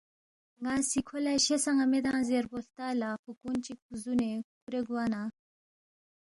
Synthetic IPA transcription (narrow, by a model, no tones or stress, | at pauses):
ŋɡasikʰolaɕesaŋamed̪ãːzeɾbolt̪aːlafukunt͡ɕik̚uzunekuɾeɡwana